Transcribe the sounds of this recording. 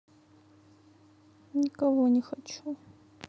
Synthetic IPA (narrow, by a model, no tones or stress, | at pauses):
nʲɪkɐvonʲɪxɐt͡ʃu